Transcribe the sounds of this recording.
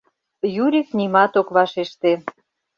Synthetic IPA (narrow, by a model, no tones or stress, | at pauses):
juɾʲiknimɑt̪okβɑʃeʃt̪e